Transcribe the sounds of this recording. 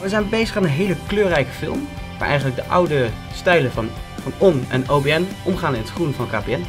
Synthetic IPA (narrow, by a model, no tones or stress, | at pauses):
ʋəzɛjnbejzəχaːnənɦejləkløːrɛjkə̥fɪ̰lˠm | ʋaːɹʔɛ̰jχənləɡ̚dəʔʌ̰wdə | stɛjlənfɑnɔnɛnowbeɛnʔɔmχaːnɪnətχrunvɑnka̰ːpeɛn